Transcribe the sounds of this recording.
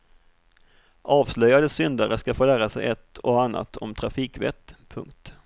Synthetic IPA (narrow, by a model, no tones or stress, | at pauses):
ʔɑːvslœjad̪əsʏnd̪aɾəskafoːlæːɾasɛ̰jɛt̪ːɔanːʔa̰t̪ʰɔ̰mt̪ʰɾafiːkvɛ̰t̪ːpʰɵ̰ŋk̚t̪